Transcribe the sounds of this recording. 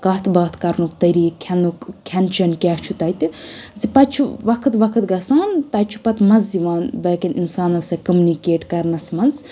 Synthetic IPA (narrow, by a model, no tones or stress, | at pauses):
kɐt̪ʰbaːt̪ʰkɐɾnukt̪ɐɾiːɐnukkʲʰɐnt͡ʃɐnkʲaht͡ʃʰut̪ɐjt̪ɨzipɐt͡ʃʰuʋɐkʰɨt̪ʋɐkʰɨt̪ɡɐsaːnt̪ɐt͡ʃʰu̥pɐt̪mɐziʋaːnbɐːkʲinʔḭnsaːnɐsɐkɐmunikeːʈkɐɾnɐsmɐnz